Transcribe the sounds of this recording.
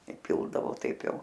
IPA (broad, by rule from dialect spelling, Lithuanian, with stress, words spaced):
ɪˈpʲɪlˠdɐʋoː ˈtɐɪp ˈjɛʊ